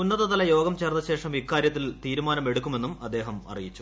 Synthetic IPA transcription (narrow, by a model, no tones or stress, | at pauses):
unːɐðɐðɐlɐjo̞ːɡɐmt͡ɕeːrnːɐɕe̞ːʂɐmikːaːɾjɐt̪ːilt̪iːɾumaːnɐme̞ɽukʲːume̞nːumɐd̪ːe̞ːɦɐmɐ̰rijit͡ɕːu̥